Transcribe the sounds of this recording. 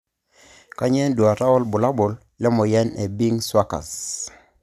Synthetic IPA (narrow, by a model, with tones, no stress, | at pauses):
ka˦ɲɛ˦ndu˨a˨ɾa˦ɔ˦lbʊ˨la˦bʊ˨l | lɛ˦mɔ˨jɛ˦ne˨bi˦ŋswa˦ka̰˨s